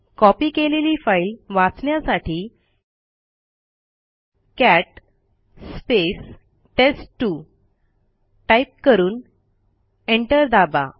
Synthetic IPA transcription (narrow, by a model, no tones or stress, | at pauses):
kɔpiːkeleliːfailʋãt͡sɳjasaʈiː | kæʈ | spes | ʈesʈːu | ʈaip̚kəɾuːn | eɳʈəɾd̪aba̰